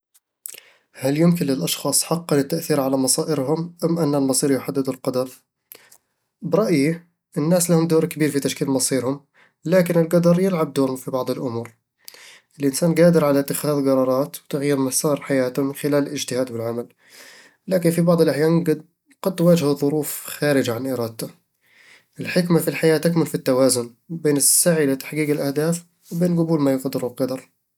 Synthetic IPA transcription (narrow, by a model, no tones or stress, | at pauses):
haljʊmkɪnlɪlʔɑʃxɑːsˤħɑqːɑnɪt̪ːaʔθiːɾʕalamɑsˤɑːʔɪɾɦʊmʔamːʔanːalmɑsˤiːɾjʊħad̪ːɪd̪ʊlqɑd̪ɑɾˤ | bɾˤɑʔji | ʔɪnːaːslahʊmd̪uːɾkabiːɾfit̪aʃkiːlmɑsˤiːɾhʊm | laːkɪnɪlɡɑd̪ɑɾˤjɪlʕab̚d̪uːɾʊmfibɑʕd̪ˤɪlʔʊmuːɾ | ʔɪlʔɪnsaːnɡaːd̪ɪɾʕalat̪ːɪxaːðɡɑɾˤɑːɾˤɑːt̪wɪt̪aɣjiɾmasɑːɾˤħajaːt̪ʊmɪnxɪlaːlɪlɪd͡ʒt̪ɪhaːd̪wɪlʕamal | laːkɪnfibɑʕd̪ˤɪlʔaħjaːnɡ | ɡ̥ɑd̪ːwaːd͡ʒhaðˤʊɾuːfxaːɾɪd͡ʒaʕanʔɪɾˤɑːd̪̚t̪ʊ | ʔɪlħɪkmafilħajaːt̪akmʊlfit̪ːawaːzʊn | beːnɪsːaʕilɪt̪ḁħɡiːqɪlʔahd̪aːf | wbeːnɡʊbuːlmajʊqɑd̪ɪɾʊlqɑd̪ɑɾˤ